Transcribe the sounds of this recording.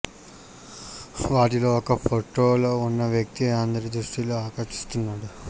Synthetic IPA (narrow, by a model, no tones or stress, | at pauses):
ʋaːʈilo̞ːɔkɐpʰoʈːoːloːunːɐʋjɐk̚t̪iand̪ɐɾid̪ɾuʂʈiloaːkɐɾʂi̥st̪unːaːɽu